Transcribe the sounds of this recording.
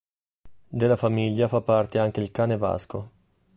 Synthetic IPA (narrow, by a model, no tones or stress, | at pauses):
d̪elːafamiʎːafapːart̪eaŋk̟eilkaːneva̰sko